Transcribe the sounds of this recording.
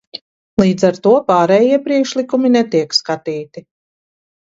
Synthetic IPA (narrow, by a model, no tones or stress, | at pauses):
lˠiːd̪zaɾt̪uɔpaːɾɛːjiɛpɾiɛkʃlikuminɛt̪iɛkskat̪iːt̪i